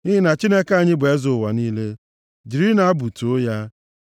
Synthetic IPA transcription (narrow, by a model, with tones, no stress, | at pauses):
i˦ɦɪ˦na˨t͡ʃi˦ne˦ka˦˨ɲɪ˦be˨˦zʊ˨wa˨niː˦le˦ | d͡ʒi˨ɾi˦na˨a˦bu˨to˨o˦ja˦